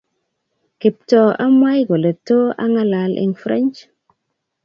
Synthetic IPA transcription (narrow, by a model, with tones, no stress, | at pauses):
kɪ˨p̚tɔ˨ʔa˦ma˦jɡɔ˨le˨to˦a̰˦ŋa˦la˨lʔɪ̰˦ŋfɾa˦nt͡ʃ